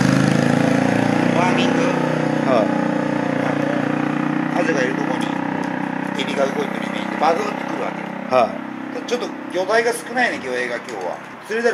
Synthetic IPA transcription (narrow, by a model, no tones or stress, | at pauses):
βamʲĩŋɡ̪ɯha | a̰no | mazekaeɾɯ̟t̪okoɲ̟ḭ | eɾʲiɡaɯkoik̪oɾʲimei̥t̪ebad̪ot͡sɨ̥kɯ̟ɾɯ̟βa̰kehai | t̪at͡ɕo̞t̪ːoɡʲo̞d̪aiɡasɨ̥kɯ̟naineɡʲo̞ːe̞ːɡakʲo̞ːβa̰ | sɨɾezo